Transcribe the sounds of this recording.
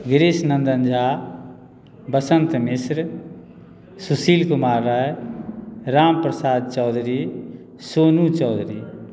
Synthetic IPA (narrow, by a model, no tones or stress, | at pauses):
ɡɾɪsnənd̪ənd͡ʒʱa | bəsənt̪mɪsɾ | susiːlkʊmaːɾːaj | ɾaːmpɾəsaːd̪̚t͡ʃɔːd̪ʱɾi | soːnut͡ʃɔːd̪ʱɾiː